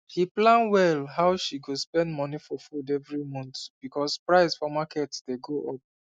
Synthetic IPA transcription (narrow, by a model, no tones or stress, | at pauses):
hiplãnwɛlɦaʊʃiɡospɛ̃ndmɔnifɔfudɛvɹimɔ̃nt̪b̥ikɔspɹaɪsfɔmakɛtd̥eɡoʔɔp̚